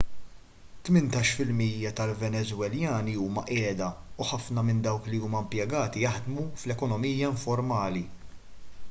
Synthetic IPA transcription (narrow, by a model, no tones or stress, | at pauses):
t̪mɪnt̪ɐːʃfɪlmiːjːɐt̪ɐlvɛnɛzwɛljɐːniuːmɐʔɛːd̪ɐuħɐfnɐmɪnd̪ɐwkliuːmɐmpjɛɡɐːt̪ijɐħd̪muflɛkɔnɔmiːjɐɪɱfɔɾmɐːli